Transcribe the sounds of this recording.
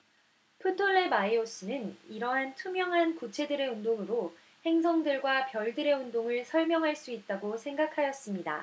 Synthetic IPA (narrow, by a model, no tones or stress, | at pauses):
pʰɯtʰoɭːemaios͈ɯnɯniɾʌɦantʰumjʌŋɦankut͡ɕʰe̞dɯɾe̞undoŋɯɾo | he̞ŋs̬ʰʌŋdɯɭɡwapjʌɭdɯɾe̞undoŋɯɭsʰʌɭmjʌŋɦaɭs͈uit̚t͈aɡosʰe̞ŋɡakʰajʌs͈ɯmɲida̰